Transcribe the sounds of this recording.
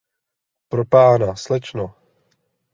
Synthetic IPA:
pɾopaːnaslɛt͡ʃno

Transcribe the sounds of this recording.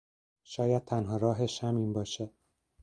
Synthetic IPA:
ʃɒːjæd̪̚t̪ʰænɦɒːɾɒːɦeʃhæmiːnbɒːʃe

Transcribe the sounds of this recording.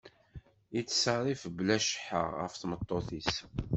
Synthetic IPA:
it͡sːsərˤifblæʃħə̰ʁə̰fθmət̪ˤːoθis

